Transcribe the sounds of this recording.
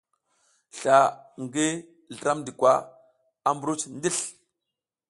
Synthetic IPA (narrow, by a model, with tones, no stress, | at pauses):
ɬa˨ŋɡi˦ | ɮə˨ɾa˦mdi˨kʷwa˦ | a˦mbɾu˦t͡sndi˦ɬ